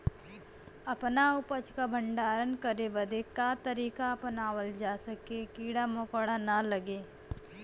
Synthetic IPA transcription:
ɐpnaʊpət͡ʃkabʱə̃ɳɖaːɾənkəɾebəd̪ekat̪əɾiːkapənaːwəld͡ʒaːsəkekiːɽamokɽanaləɡeː

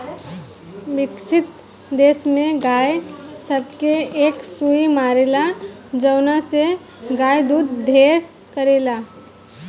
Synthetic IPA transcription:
ʋɪkʃɪt̪ | d̪eːsmẽɡaːj | səbkeeːksuimaːɾeːla | d͡ʒəːnase | ɡaːjd̪uːd̪ːʱeːɾ | kəɾeːlaː

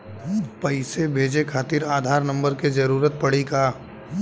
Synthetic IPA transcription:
pɐɪsebʱeːd͡ʒekʰaːt̪ɪɾaːd̪ʱaːɾnɐ̃mbəɾked͡ʒɐɾuːɾət̪̚pɐɽikaː

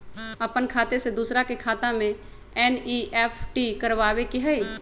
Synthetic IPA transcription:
əpənkʰaːt̪esed̪uːsɾakekʰaːt̪ãmẽ | ɛːniːʔɛːpʰʈikəɾʋaːwekɪɦɛe

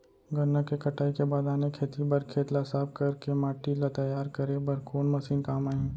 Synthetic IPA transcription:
ɡɐnːakekɐʈʰaːikebaːd̪aːnekʰeːt̪ibɐɾkʰeːt̪lasaːb̚kɐɾkemaːʈilat̪ɐjaːɾkɐɾebɐɾkoːnmɐsiːnkaːmaːɦĩː

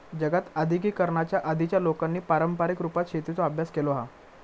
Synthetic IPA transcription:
d͡ʑəɡat̪əd̪ʱik̬iːkəɾɳat͡ɕjaʔəd̪ʱit͡ɕjalokanːiːpaɾəmpaɾikɾupat̪ɕet̪it͡soəbʱjaskeloɦa̰

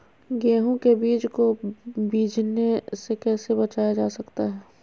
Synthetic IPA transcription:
ɡɛːɦõkebiːd͡ʒkobiːd͡ʒnesekɛːsebɐt͡ʃaːjad͡ʒaːsɐkt̪aɦɛː

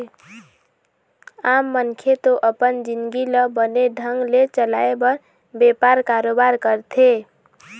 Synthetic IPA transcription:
amːənkʰet̪oʔəpənd͡ʒinɡiləbəneɖʱəŋɡlet͡ʃəlaebʌɾ | bepaɾkaɾobaɾkəɾt̪ʰe

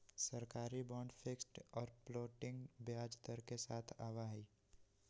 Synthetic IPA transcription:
səɾkaːɾibɔːɳɖfʰeksʈɔːɾploːʈɪ̃ŋɡbjaːd͡ʒt̪əɾkesaːt̪ʰaːʋaɦiː

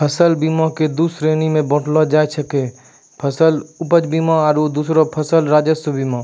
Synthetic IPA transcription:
pʰəsəlbiːmãked̪uːsɾeːnimẽbɔ̃ːʈlɔd͡ʒaːet͡ʃʰəke | pʰəsəlʊpəd͡ʒbiːmãaɾod̪uːsɾopʰəsəlɾaːd͡ʒəsbiːma

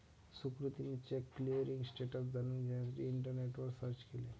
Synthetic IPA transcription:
sukɾut̪imit͡ɕekːliɾiŋɡsʈeʈəsd͡zanuːnd͡ʑat̪ɾiːɳʈəɾneʈʋəɾsəɾt͡ʃkele

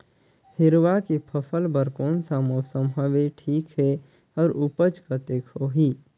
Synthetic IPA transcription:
hɪɾʋakipʰəpʰəlbəɾkoːnsaːmosəmɦəʋeʈʰiːkɦɛ | ɔːɾupət͡ʃkət̪ekʰoɦiː

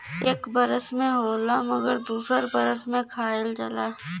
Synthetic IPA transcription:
eːkbɐɾəsmẽɦoːlamɐɡəɾd̪uːsəɾbɐɾəsmẽkʰaːeld͡ʒɐlaː

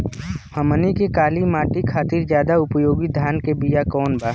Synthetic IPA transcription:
həmənikekaːlimaːʈikʰaːt̪iːɾd͡ʒjaːd̪aʊpəjoːɡid̪ʱjaːnkebijakɔːnbaː

